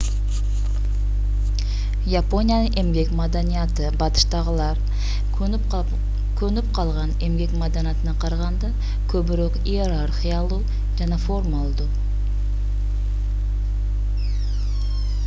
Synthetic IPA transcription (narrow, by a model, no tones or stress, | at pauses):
japo̞nijanəŋʔemɡʲe̞kmɑd̪ɑnijat̪əbɑt̪ə̥ʃt̪ɑʁəlˠɑɾ | kʲʰɵnɪp̚qʰɑlˠʁɑne̞mɡʲe̞kmɑd̪ɑnijat̪ənɑqʰɑɾɑʁɑnd̪ɑ | kʲʰɵbɪɾoqijeɾaɾχijɑlˠu | ʒanɑfo̞ɾmɑlˠd̪u